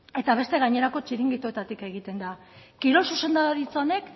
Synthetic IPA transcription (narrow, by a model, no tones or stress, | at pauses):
e̞t̪aβ̞e̞st̪e̞ɣaɲe̞ɾako̞t͡ʃiɾiŋɡit̪oe̞t̪at̪ike̞ɣ̞it̪e̞nd̪a | kiɾo̞suse̞nd̪aoɾit͡saone̞k